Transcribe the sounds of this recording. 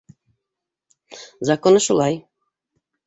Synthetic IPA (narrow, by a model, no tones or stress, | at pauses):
zɑkonɤʃulˠɑj